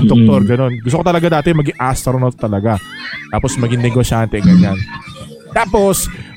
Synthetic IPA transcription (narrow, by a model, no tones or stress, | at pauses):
ŋd̪ok̚t̪oɾɡɐno̞nɡʊs̬t̪okot̪ɐlɐɡad̪aːt̪ɛjʊmɐɡɪŋʔast̪ɾonot̪ɐlɐɡat̪aːposmɐɡɪŋnɛɡoʃaːnt̪ɛɡɐɲan | t̪aːpos